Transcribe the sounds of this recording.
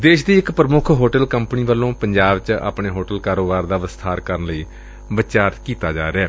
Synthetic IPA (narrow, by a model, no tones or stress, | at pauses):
d̪eːʃd̪iːɪkpɾəmʊkʰɦoːʈəlkəmpniːʋəlːõːpəɲd͡ʒaːbt͡ʃa̰ːpɳeːɦoːʈəlkaːɾoːbaːɾd̪aːʋəst̪ʰaːɾkəɾənləiː | ʋət͡ʃaːɾkiːt̪aːd͡ʒa̰ːɾeaː